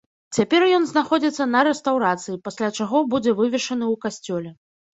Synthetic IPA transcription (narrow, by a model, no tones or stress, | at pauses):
t͡sʲapʲɛrjɔn̪znaxɔd͡zʲit̪sːɐnɐɾɛst̪awɾat̪sɨjipasʲlʲat͡ʂaɣɔbud͡zʲɛvɨvʲɛʂɐnɨwkasʲt͡sʲɔlʲɛ